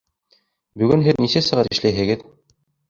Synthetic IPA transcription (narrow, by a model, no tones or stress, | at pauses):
bɵ̆ɡɘnɦɘðnisæsɤ̆ʁɑɾɘ̆ʃlæjɦɘ̆ɡɘð